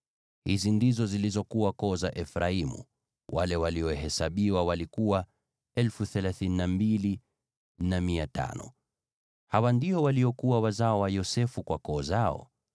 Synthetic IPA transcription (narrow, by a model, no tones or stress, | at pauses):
hizindizɔzilizɔkuwakɔːzaʔɛfɾaimṵ | walɛwaliɔɦɛsaɓiwawalikuwa | ɛlfuθɛlaθininambili | namiata̰nɔ̰ | hawandiɔwaliɔkuwawazaɔwajɔsɛfukwakɔːzaɔ̰